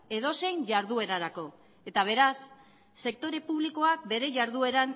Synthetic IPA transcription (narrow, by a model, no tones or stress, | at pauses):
e̞ðo̞se̞jɲʝaɾðue̞ɾaɾako̞ | e̞t̪aβ̞e̞ɾasː | e̞k̚t̪o̞ɾe̞puβ̞liko̞ak̚be̞ɾe̞ʝaɾðue̞ɾan